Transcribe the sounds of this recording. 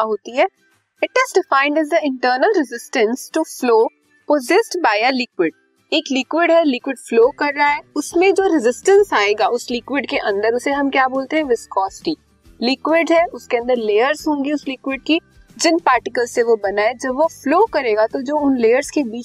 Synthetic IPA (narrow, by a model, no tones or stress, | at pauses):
ɦoːt̪iɦɛː | ɪʈɪzɖɪfãːɪ̃ɳɖɛzd̪əɪ̃ɳʈəːɾnəlɾɪzɪsʈə̃nsʈufloː | pozɪsʈbaːɪəlɪkwɪɖ̚ | eːklɪkwɪɖɦɛlɪkwɪɖfloːkɐɾːaɦɛʊsmẽd͡ʒoːɾɪzɪsʈə̃nsaːeːɡaʔʊslɪkwɪɖkeʔɐ̃nd̪əɾʊseɦɐmkjaːboːlt̪eɦɛ̃ʋɪskɔːsʈi | lɪkwɪɖɦɛʊskeɐ̃nd̪əɾleːjəɾzɦõːŋɡiʊslɪkwɪɖ̚ki | d͡ʒɪnpaːɾʈɪkəlseʋobɐnaːed͡ʒɐbʋofloːkɐɾeːɡat̪od͡ʒoːʊnleːjəɾzkebiː